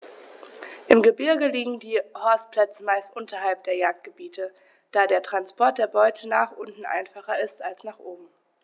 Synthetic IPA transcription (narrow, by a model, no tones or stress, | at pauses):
ʔɪmɡəbɪɐɡəliːɡŋ̩diːhɔɐst̚pl̥ɛt͡səmaɪstʔʊntɐɦalp̚d̥eːɐjaːk̚t̚ɡ̥əbiːtʰə | d̥aːdeːɐtʁ̥anspʰɔɐt̚d̥eːɐbɔʏtʰənaːχʔʊntn̩ʔa̰ɪnfaχɐɪstalsnaːχʔoːbm̩